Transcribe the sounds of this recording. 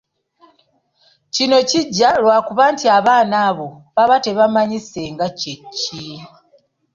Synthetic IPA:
cino̞ciɟːalwaːkuβaːntiaβaːnaːβo̞βaβate̞βamaɲise̞ŋɡacecʰːi

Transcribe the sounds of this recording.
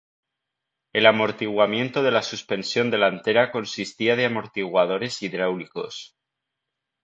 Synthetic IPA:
e̞lamo̞ɾt̪iɣwamjẽ̞nt̪oðe̞lasuspe̞nsjo̞nd̪e̞lant̪e̞ɾako̞nsist̪iað̞e̞amo̞ɾt̪iɣwað̞o̞ɾe̞siðɾawliko̞s

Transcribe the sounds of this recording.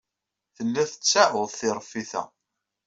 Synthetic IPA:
θəlːæθə̥t͡sːæʕʊðˤθɪɾˤfːiθæ̰

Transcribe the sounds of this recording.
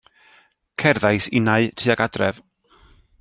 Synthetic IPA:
kʰɛrðajsɪnaɨtʰiːaɡadrɛv̥

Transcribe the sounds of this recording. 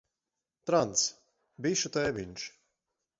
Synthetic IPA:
t̪ɾant̪s | biʃut̪ɛːviɲʲʃ

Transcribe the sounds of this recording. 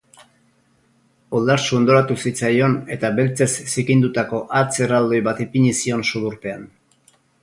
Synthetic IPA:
o̞ld̪aɾsuond̪o̞ɾat̪usit͡sajo̞ne̞t̪aβe̞lt͡se̞sːikind̪ut̪ako̞ʔat͡se̞rald̪o̞jβat̪ipiɲisio̞nsuðuɾpe̞an

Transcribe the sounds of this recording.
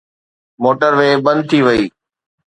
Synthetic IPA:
moːʈəɾʋeːbɐ̃nd̪̚t̪ʰiʋɐiː

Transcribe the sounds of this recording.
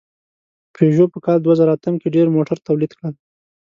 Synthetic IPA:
pʰeʒopəkɑld̪wazaɾaːt̪amkeɖeɾmoʈaɾt̪awlid̪kɽəl

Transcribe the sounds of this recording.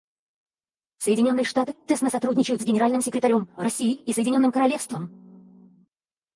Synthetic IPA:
səjɪdʲɪnʲo̞nːɨjəʂt̪at̪ɨt̪ɛsnəsɐt̪ɾudʲnʲɪt͡ɕɪjʊt̪zɡʲɪnʲɪɾalʲnɨmsʲɪkɾʲɪt̪ɐɾʲo̞mrɐsʲijɪisəjɪdʲɪnʲo̞nːɨmkəɾɐlʲefst̪vəm

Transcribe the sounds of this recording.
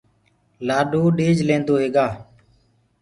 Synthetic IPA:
laːɗoːɗeːd͡ʒlẽːnd̪oːɦeːɡaː

